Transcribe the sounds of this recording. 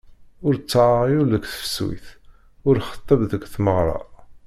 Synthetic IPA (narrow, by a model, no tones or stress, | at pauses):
ʊɾt͡sːʕəʁiuɾləkθfə̥swḭθ | ʊɾχə̥t̪ˤːɑbðəɡθməʁɾˤɑ̰